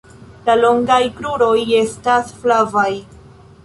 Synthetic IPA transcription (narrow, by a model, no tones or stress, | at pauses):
lalo̞ŋɡajkɾuɾo̞je̞stasflavaj